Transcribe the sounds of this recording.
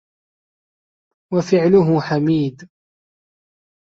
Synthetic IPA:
wafɪʕlʊɦʊħamiːd̪

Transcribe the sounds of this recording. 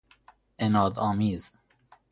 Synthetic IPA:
enɒːd̪ɒːmiːz̥

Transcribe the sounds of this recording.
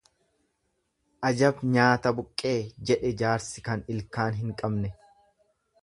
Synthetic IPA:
ʔɐd͡ʒɐbɲaːt̪ɐbʊkʼːe̞ːd͡ʒɛᶑɛd͡ʒaːɾsɪkɐnɪlkaːnɦɪŋkʼɐbnɛ

